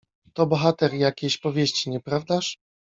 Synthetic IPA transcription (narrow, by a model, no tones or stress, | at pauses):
t̪ɔbɔxat̪ɛɾjakʲeɕpɔvʲjeɕt͡ɕiɲɛpɾavd̪aʂ